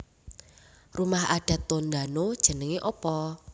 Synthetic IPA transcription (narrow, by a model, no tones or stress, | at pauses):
rumahaɖ̥ä̤t̪ːond̪anod̥ʒ̥ə̤nəŋeʔɔpɔ